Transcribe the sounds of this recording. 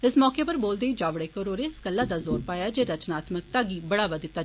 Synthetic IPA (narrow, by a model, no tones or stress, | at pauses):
ɪsmɔːkeːpəɾboːld̪eːiːd͡ʒaːʋɽeːkəɾoːɾeːɪsɡəlːaːd̪aːzoːɾpaːjaːd͡ʒeːɾət͡ʃnaːt̪mək̚t̪aːɡiːbəɽaːʋəd̪ɪt̪ːaː